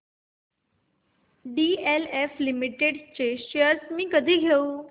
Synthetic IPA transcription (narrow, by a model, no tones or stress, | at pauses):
ɖieleflimiʈeɖt͡ɕeɕejəɾsmĩːkəd̪ʱiːɡʱeu